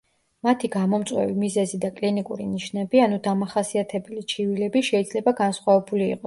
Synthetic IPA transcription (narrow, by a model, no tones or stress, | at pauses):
mat̪ʰiɡamɔmt̪sʼwɛ̰vimizɛzid̪akʼlinikʼṵɾḭniʃnɛbianud̪amaχasiat̪ʰɛbɛlit͡ʃʰivilɛbiʃɛid̪z̥lɛbaɡansχwavɛbulḭːqʼɔ